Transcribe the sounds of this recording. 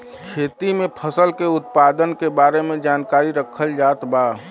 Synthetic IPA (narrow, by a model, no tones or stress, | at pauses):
kʰeːt̪imẽpʰəsəlkeʊt̪̚paːd̪ənkebaːɾemẽd͡ʒaːnkaːɾiɾəkʰəld͡ʒaːt̪baː